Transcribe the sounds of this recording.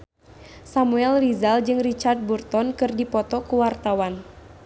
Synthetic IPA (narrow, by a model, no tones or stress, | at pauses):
samuɛlrizald͡ʒɨŋrit͡ʃard̪̚burt̪ɔnkɨrdipɔt̪ɔkuwart̪awan